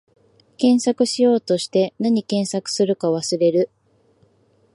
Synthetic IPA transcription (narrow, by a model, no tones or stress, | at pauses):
kẽ̞ɰ̃sakɯ̟ɕijo̞ːt̪o̞ɕi̥t̪e̞naɲ̟ikẽ̞ɰ̃sakɯ̟̥sɨɾɯ̟kaβ̞asɨɾe̞ɾɯ̟